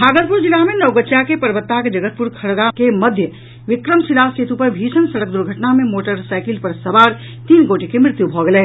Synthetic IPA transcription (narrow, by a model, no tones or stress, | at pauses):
bʱaːɡəɾpʊɾd͡ʒɪlamẽnɐʊɡətːt͡ʃjakepɐɾʋət̪ːaked͡ʒəɡət̪̚pʊɾkʰɐɭɡakemɐd̪ʱjə | ʋɪkɾəmsilaːt͡ʃeːt̪ʰupəɾbʱiːsənsɐɽək̚d̪ʊɾɡʱəʈnamẽmoːʈəɾsaːɪkɪlpɐɾsɐbaːɾ | t̪iːnɡoːʈekemɾɪt̪jubʱɔɡɐle